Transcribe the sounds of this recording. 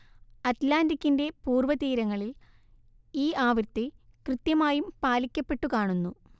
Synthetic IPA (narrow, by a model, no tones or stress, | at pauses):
ɐt̪laːndikʲːinde̞puːrʋɐt̪iːɾɐŋːɐɭil | iːaːʋirt̪ːe | krɨt̪jɐmaːjumpaːlikʲːɐpːe̞ʈːukaːɳunːu